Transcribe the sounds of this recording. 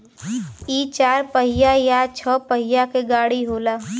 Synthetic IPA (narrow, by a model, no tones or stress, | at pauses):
iːt͡ʃaːɾpəɦɪjajat͡ʃʰɔːpəɦɪjakeɡaːɽiɦoːlaː